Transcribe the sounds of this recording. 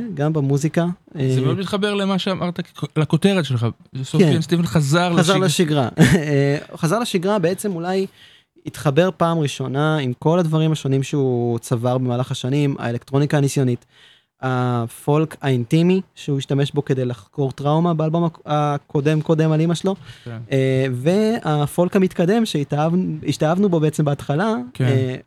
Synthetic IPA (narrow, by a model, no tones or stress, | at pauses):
ɡambamuzikaezemeodmit̪χabe̞ʁlemaʃeamʔaʁt̪alakoteʁetʃelχa | sokfemst̪ivenχazaʁlazaʁlaʃiɡʁaeχazaʁleʃiɡʁabe̞et͡se̞mulaj | it̪χabe̞ʁpaːmʁiʃo̞naimko̞ladvaʁimaʃo̞nimʃeut͡savaʁbemaːlaχaʃanima̰elektʁo̞nikaːnisjo̞nit | afo̞lkaintimiʃeuiʃtame̞ʃbo̞ke̞d̪e̞jlaχko̞ʁtʁawmabealbo̞maakʰo̞de̞mko̞d̪e̞malimaʃelo̞eve̞afo̞lkhamit̪kade̞mʃeitaviʃtaavnubo̞beet͡se̞mbeatχalae